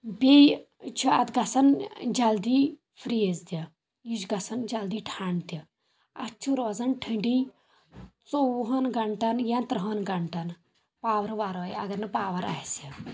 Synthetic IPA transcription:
bej | t͡ʃʰuɐt̪ɡɐsɐnd͡ʒɐld̪iː | pʰɾizt̪i | jid͡ʒɡɐsɐnd͡ʒɐld̪iːʈʰaːɳt̪i | ɐ̰t͡ʃʰuɾoːzɐnʈʰiɳɖi | t͡sowɦɐnɡɐɳʈɐnjãnt̪ɾɦɐnɡɐɳʈɐn | paːʋɐɾʋaːɾoːjɐɡɐɾnɨpaːʋɐɾa̰ːhsi

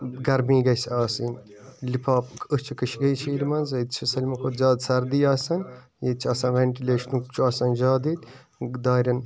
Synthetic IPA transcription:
ɡɐɾmiːɡɐjsaːsin | lipʰaːpkʰɨst͡ʃʰukɨʃʰɡɐjt͡ʃʰiːɾimɐnzɐd̪̚t͡ʃʰisɐlʲmɐkʰoːt̪zaːd̪sɐɾd̪ijaːsɐn | jed̪̚t͡ʃʰɐːsɐnʋeɳʈileːʃɐnukt͡ʃʰuaːsɐnd͡ʒaːd̪iːt̪ | d̪aːɾʲɐn

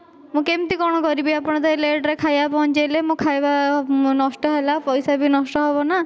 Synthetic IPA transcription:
mũkemt̪ikɔɽ̃ɔkɔɾibiapɔɽ̃ɔd̪aleɖɾekʰajapɔnt͡ʃejlemũkʰajbanɔsʈɔɦelapɔjsabʱinɔsʈɔɦebɔna

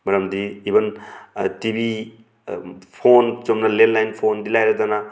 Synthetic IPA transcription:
mɐɾɐmdiːbɐntibi | pʰont͡ʃomnɐlellajnpʰondilajɾɐdɐna

